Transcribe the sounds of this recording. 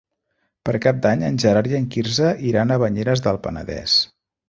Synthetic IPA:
pəɾkap̚d̪aɲənʲʒəɾaɾiəŋkiɾzəʔiɾanəβəɲeɾəzðəlˠpənə̰ðɛ̰s

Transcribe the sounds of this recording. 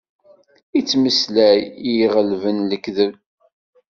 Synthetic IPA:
it͡sːməslæjijʁəlvənləkðəv

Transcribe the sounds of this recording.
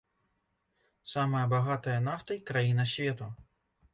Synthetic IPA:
samɐjɐbaɣat̪ɐjɐnaft̪ɨjkɾajinɐsʲvʲɛt̪u

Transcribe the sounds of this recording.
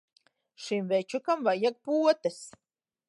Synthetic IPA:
ʃimvɛt͡ʃukamvajak̚puɔt̪es

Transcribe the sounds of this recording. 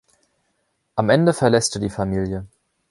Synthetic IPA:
ʔamʔɛndəfɛɐlɛstədiːfamiːljə

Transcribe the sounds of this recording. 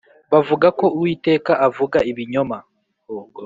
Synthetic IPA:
βavuɡako̞uwiːte̞ːkaʔːvuɡaiβiɲo̞ma

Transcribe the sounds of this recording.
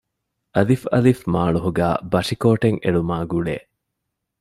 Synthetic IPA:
ʔɐlifɐlifmaːɭuɦuɡæːbɐʂikoːʈeŋeɭumaːɡuɭḛːʔ

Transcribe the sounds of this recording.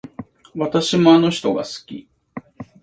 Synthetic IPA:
βat̪aɕimo̞ano̞çi̥t̪o̞ɡa̰sɨ̥kʲḭ

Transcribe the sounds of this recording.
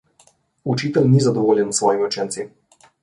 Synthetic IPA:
ut͡ʃiːt̪ɛlnizad̪ɔʋoːljɛnusʋɔːjimiɔwt͡ʃɛnt̪si

